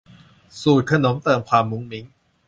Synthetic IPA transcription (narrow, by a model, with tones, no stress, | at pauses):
suː˨˩t̪̚kʰa˧no˩˦mt̪ɤː˧˩mkʰwaː˧mːu˦˥ŋmi˦˥ŋ